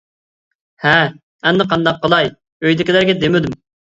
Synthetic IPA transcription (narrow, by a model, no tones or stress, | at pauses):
hɛ | ɛnd̪ɨqʰɑnd̪ɑq̚ʰːəlˠɑj | øjd̪ɪkʲilæɾɡʲɛd̪emɪd̪ym